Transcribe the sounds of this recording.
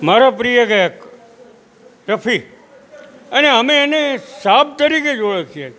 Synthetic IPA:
maɾapɾijəɡəjək | ɾəpʰi | əneəmeːnesab̚t̪əɾiked͡ʒoɭəkʰije

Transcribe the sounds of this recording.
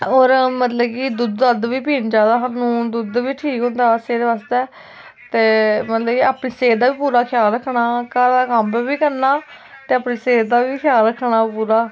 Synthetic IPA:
oːɾmət̪ləbkid̪ʊd̪ːəd̪ʋiːpiːnd͡ʒaːd̪aːɦanũːd̪ʊd̪ʋiːʈʰiːkɦõːnd̪aːseːd̪eːʋaːst̪eː | t̪eːmət̪ləbkiːaːpɳiːseːɾd̪aːʋiːpuːɾaːkʰɪjaːlɾəkʰnaːkəɾd̪aːkəmpːbiːkəɾnaː | t̪eːaːpniːseːɾd̪aːʋiːkʰjaːlɾəkʰːnaːpuːɾaː

